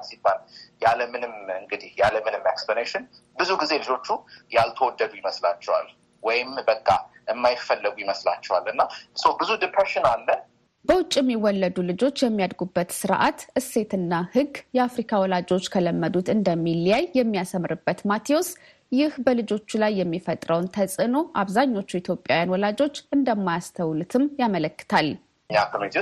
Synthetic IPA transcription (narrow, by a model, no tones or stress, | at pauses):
sibːaljaləmɨnɨmɨŋɡɨd̪ihjaləmɨnɨmeksplaneʃɪn | bɨzuɡize̞lɨd͡ʒo̞t͡ʃːujalt̪ʰəwɔd̪ːəd̪ujɪməslat͡ʃːɛwa̰l | wɔjɪmbəkʼːaʔɨmːajɪfːəlːɨɡujɪməsla̰t͡ʃːɛwalɨnːasəwbɨzudɨpʰɾeʃɪnalːə | b̥əwʊt͡ʃʼːiɛmːiwːɔlːəd̪ulɨd͡ʒot͡ʃːjɛmːijad̪ɡubːət̪sɨɾʔa̰t̪ʔɨsːe̞t̪ɨnːahɨɡjɛafɾikʰawɔlad͡ʒo̞t͡ʃːkʰələmːəd̪ut̪ɨnd̪əmːiljajjɛmːijasəmɾɨbːət̪mat̪ʰio̞s | jɪhbəlɨd͡ʒo̞t͡ʃːulajːɛmːifət̪ʼɾəwnt̪ʰəsʼɨno̞ʔaβzaɲːo̞t͡ʃːuit̪jo̞pʼjawjanwɔlad͡ʒo̞t͡ʃːʔɨnd̪əmːajast̪ʰəwlɨt̪ʰɨmjamələkːɨ̥t̪ʰal | ɲːakʰəmet̪ʰi